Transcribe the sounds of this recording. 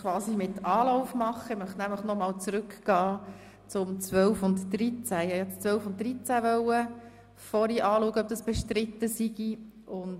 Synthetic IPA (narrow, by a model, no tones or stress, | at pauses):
kʰʋɑːsimɪtʰɑːlɔʊfmɑχəɪmœχtnæmləχnɔmɑːlt͡sɾɵkɡ̥ɑː | t͡sʊmt͡sʋœwfʊntd̥ɾit͡sæɪɑjɛt͡st͡sʋœlfʊnt̚d̥ɾit͡sæʋœwə | fɔɾiʔɑːluəɡəœp̚d̥̪ɑsb̥ɛʃtɾɪt̪ːəsiɡ̥i | ʊn